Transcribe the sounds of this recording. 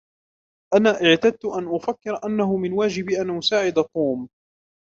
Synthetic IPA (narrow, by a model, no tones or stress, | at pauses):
ʔanaːʔɪʕt̪ad̪̚t̪ʊʔanʔʊfakːɪɾʔanːaɦʊmɪnwaːd͡ʒɪbʔanʔʊsaːʕɪd̪at̪ˤuːm